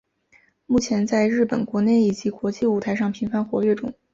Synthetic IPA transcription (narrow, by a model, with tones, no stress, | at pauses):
mu˥˩t͡ɕʰjɛ˧˥nt͡sa˥˧ɪɻɻ̩˥˩pə˨˩nkwɔ˧˥ne˥˩ɪi˨˩t͡ɕi˧˥kwɔ˧˥t͡ɕi˥˧u˥˩t̪ʰa˧ɪʂɑ˥˩ŋpʰi˧˥nfa˥nxwɔ˧˥ɥɛ˥˩ʈ͡ʂʊ̰˨˩˦ŋ